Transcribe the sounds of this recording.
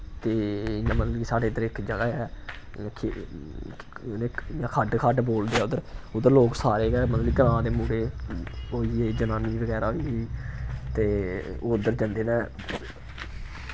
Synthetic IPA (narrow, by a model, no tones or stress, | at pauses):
t̪eːjãːmət̪ləbiːsaːɽeːd̪əɾɪkːd͡ʒəɡaːɛ̃ː | kʰe | neːjãːkʰəɖkʰəɖboːld̪eːɛːʊd̪əɾʊd̪əɾloːksaːɾeːɡɛːmət̪ləikəɾãːd̪eːmũːɽeːoːiːeːd͡ʒənãːniːʋəɡɛːɾaːɦoiiːt̪eːoːʊnd̪ːəɾd͡ʒãːnd̪eːnɛ̃ː